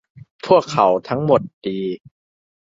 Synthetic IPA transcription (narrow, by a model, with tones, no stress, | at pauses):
pʰu˥˩əkʰːa˩˦wt̪ʰa˦˥ŋmo˨˩t̪̚d̥iː˧